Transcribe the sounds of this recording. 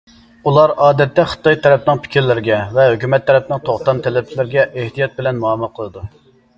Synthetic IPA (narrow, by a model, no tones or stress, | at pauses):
ulˠɑɾɑːd̪ɛt̪ːɛχə̥t̪ːɑjt̪ʰɛɾɛpnɨŋpʰɪ̥kʲʰiɾlɪɾɪɡʲɛvɛɦøkʲymɛt̪ʰːɛɾɛp̚nɪŋt̪ʰoχt̪ɑmt̪ʰɛlɪb̚t͡ʃʰilɪɾɪɡʲɛʔeht̪ijɑt̪̚bɪlɛnmuɑmɨqʰəlˠɨd̪u